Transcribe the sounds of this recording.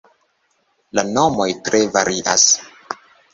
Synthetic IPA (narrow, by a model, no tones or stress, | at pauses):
lano̞mo̞jtɾe̞vaɾiʔa̰s